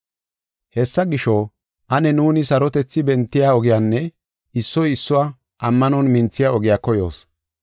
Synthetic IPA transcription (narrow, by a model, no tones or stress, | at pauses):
hɛsːɐɡɪʃɔ | ʔɐnɛnuːnɪsɐɾɔt̪ɛt͡sːɪbɛnt̪ːɪjaːɔɡɪjaːnːɛ | ɪsːɔjɪsːʊwa | ʔɐmːɐnɔnmɪnt͡sːɪjaɔɡɪjaːkɔjo̰ːs